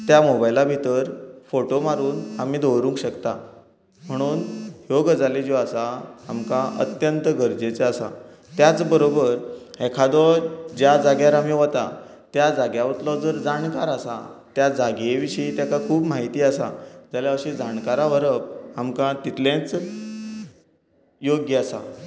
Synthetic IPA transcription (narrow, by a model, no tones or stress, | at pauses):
t̪jamobajlabʱit̪əɾfoʈomaɾuːnamiːd̪owɾũŋkɕəkt̪a̰ | m̤əɽ̃uːnjoɡd͡zaled͡ʑɔasaamkãə̰t̪jənt̪ɡəɾd͡ʑet͡seasa̰ | t̪jat͡sbəɾobəɾekʰad̪ɔd͡ʑjad͡zaɡjaɾam̤iːʋət̪a̰ | t̪jad͡zaɡjaʋəɾt̪lɔd͡zəɾd͡zaɳkaɾasa̰t̪jad͡zaɡeʋiɕiit̪jakakʰuːbmaɦit̪iːasa̰d͡zaljaəɕiːd͡zaɳkaɾaʋəɾəp̚amkãt̪it̪lẽt͡s | joɡjəasa̰